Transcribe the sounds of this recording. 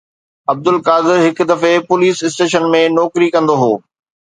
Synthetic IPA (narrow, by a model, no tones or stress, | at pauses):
ɐb̚d̪ʊlkaːd̪ɪɾɦɪkʊ̆d̪ɐfepʊliːsɪsʈeːʃənmẽnɔːkɾikɐ̃nd̪oɦoː